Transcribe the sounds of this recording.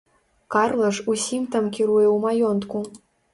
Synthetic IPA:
karlˠɐʂusʲimt̪amkʲiɾujɛwmajɔnt̪ku

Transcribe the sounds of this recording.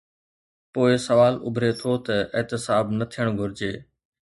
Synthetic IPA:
poːɪsɐʋaːlʊ̰bʱɾet̪ʰoːt̪ɐʔɪːt̪ɪsaːbnɐt̪ʰijəɽ̃ɡʱʊɾɪd͡ʑeː

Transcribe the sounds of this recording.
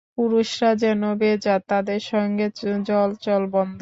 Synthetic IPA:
puɾuʃɾad͡ʑɛnobed͡ʑat̪ad̪eɾʃɔŋɡed͡ʑɔlt͡ɕɔlbɔnd̪ʱo

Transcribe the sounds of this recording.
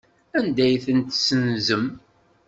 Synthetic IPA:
ænd̪æjθənt̪sənzəm

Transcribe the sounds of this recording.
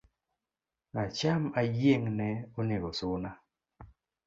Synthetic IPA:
nat͡ʃamajeŋnɛonɪɾosʊna

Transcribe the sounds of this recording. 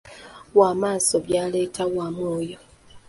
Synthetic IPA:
waːmaːsoβjaːle̞ːtʰaɣwamoːjo

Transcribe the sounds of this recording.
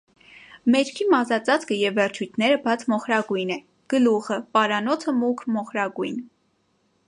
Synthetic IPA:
mɛɾkʰimɑzɑt͡sɑt͡skəjɛvːɛrt͡ʃʰujt̪ʰnɛɾəbɑt͡sʰmɔχɾɑɡujnɛ | ɡ̥əluχəpɑɾɑnɔt͡sʰəmukʰmɔχɾɑɡujn

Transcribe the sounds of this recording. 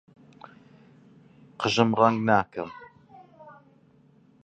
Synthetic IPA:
qʰəʒɨmraŋɡnaːkɨm

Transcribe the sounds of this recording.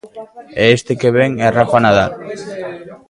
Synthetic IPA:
eest̪ekeβeŋerafanaðal

